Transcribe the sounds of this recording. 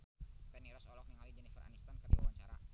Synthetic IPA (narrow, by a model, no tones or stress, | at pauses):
p̪ɛniɾɔsɔlɔk̚jaŋalid͡ʒɛnifəra̰nist̪ankərdua̰waɲt͡ʃaɾa̰